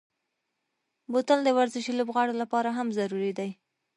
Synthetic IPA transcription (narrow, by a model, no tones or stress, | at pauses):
bot̪ald̪əwaɾzɪʃilobɣɑɽolapɑɾaɦamzaɾuɾid̪aj